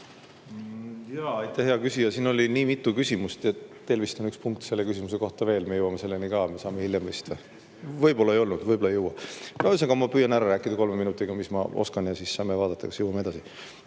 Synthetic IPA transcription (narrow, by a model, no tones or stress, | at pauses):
jɑːɑjt̪ʰːˑæhɦeɑkysijɑsiːno̞lʲiniːmit̪ːˑukysʲimust̪et̪ːe̞lvist̪o̞nykspuŋk̚t̪se̞lːe̞kysimuse̞ko̞ht̪ɑve̞ːlmejuwɑmese̞lːenikɑme̞sɑːmehiljemvɤjst̪ɑ | vɤjbo̞lːɑejo̞lnud̪̥vɤjbolɑejuwːɑnosekɑmɑpyːjɑnæɾɑɾæːkːˑid̪̥ɑko̞lmeminut̪ːˑiɡ̥ɑmismɑ̰ʔo̞̰skɑnjɑsissɑːme̞vɑːd̪ɑt̪ːˑɑkɑ̥sjuwːɑmee̞d̪ɑsi